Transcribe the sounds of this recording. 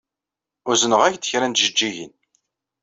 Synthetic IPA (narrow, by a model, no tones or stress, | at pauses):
ʊɾzənəʁæçd̪ə̥çɾænt̪ʒəd͡ʒːiʝə̰n